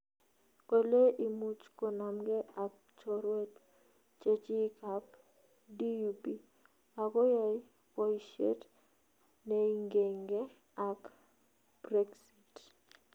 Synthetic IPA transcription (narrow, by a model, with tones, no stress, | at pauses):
ko˨le˦ʔi˨mu˦t͡ʃko˨na˨mɡɛ˦a˨k̚ | t͡ʃɔɾwe˦t | t͡ʃe˦t͡ʃi˦kap̚ | di˦upi˦ | a˨kɔ˦ja˦j | kɔ˦iʃḛ˦t | neiŋɡe˨ŋɡe˦ | a˨k | brɛ˦ksi˨t